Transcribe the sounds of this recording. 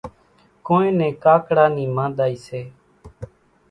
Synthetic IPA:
koːẽːnẽːkaːkɽaːniːmãːd̪aːiːseː

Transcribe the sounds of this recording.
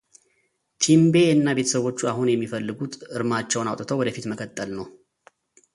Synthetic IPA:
t̪ʰimbe̞ɨnːabe̞t̪ʰə̥səβo̞t͡ʃːuaɦunjɛmːifəlːɨɡut̪ɨɾmat͡ʃːɛwnawt̪ʼt̪ʰəwɔd̪əfit̪məkʰʼət̪ʼːəlnəw

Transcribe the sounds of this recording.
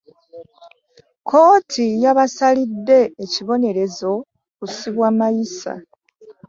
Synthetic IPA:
ko̞ːtʰijaβasalidːe̞ːciβo̞ne̞ɾe̞zo̞ | kusiβwaːmajisa̰

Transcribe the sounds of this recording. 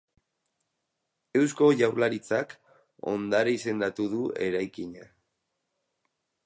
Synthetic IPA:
e̞wsko̞ʝawɾlaɾit͡sak | o̞̰nd̪aɾeise̞nd̪at̪uðue̞ɾajkiɲa

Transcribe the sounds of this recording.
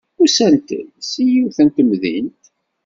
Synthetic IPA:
usænt̪ə̰ðsijuθænt̪əmðḭnt̪

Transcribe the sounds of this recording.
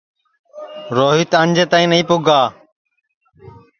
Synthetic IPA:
ɾoːɦit̪əɲʲd͡ʒʱət̪aːĩːnəĩːpʊɡʱaː

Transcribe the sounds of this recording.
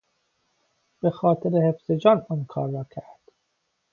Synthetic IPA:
b̥exɒːt̪ʰeɾehefz̥ed͡ʒɒːnɒːnkʰɒ̰ːɾːɒːcʰæɾd̪̥

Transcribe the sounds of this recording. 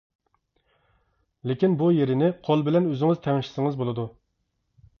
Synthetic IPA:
lekʲinbujeɾɪnɪqʰolˠbɪlɛnøzɪŋɨzt̪ʰɛŋʃi̥sɪŋɨzbolˠɨd̪u

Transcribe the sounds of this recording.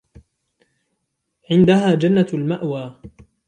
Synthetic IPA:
ʕɪnd̪aɦaːd͡ʒanːalmaʔwaː

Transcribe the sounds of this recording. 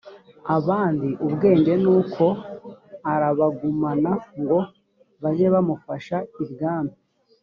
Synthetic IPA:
aβaːndiʔubɡe̞ːnde̞nuːkʰo̞ | aɾaβaɡumanaŋɡo̞ | βazeβamufaʃaibɡaːno

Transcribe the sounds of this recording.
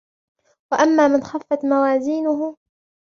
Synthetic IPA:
waʔamːaːmɪnxafːat̪mawaːziːnʊɦʊ

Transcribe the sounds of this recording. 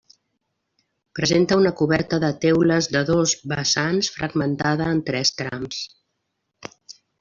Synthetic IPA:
pɾəzent̪əunəkuβɛɾt̪əðət̪ɛwləzðəðozβəsansfɾʔəɡmənt̪aðəːnt̪ɾɛst̪ɾa̰ms

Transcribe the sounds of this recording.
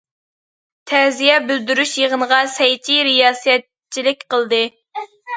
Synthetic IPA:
t̪ʰɛzijɛbyld̪yɾyʃjeʁənəʁɑsɛjt̪ʰiɾijɑːsɛt̪̚ | t͡ʃʰːilɪk̚ʲqəlˠd̪ɨ

